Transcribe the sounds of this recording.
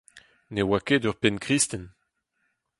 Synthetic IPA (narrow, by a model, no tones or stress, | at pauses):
newakedœʁpɛnkʁist̪ɛn